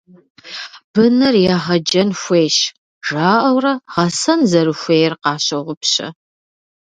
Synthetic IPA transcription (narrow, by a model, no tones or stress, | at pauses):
b̥ɨnɐrjaːʁɐd͡ʒɐnxʷejʃ | ʒ̥aːʔɐwrɐʁɐsɐnzɐɾɨxʷeːjrqɑːɕɐʁʷʊpɕɐ̰